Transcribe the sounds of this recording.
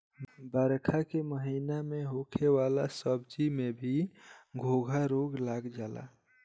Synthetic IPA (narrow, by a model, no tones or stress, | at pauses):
bəɾkʰakeməɦinameɦokʰewalasəbd͡ʒimebʱiɡʱoɡʱaɾoɡlaɡd͡ʒaːla̰